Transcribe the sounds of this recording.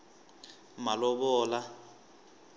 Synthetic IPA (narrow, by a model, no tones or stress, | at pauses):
malɔɓɔːla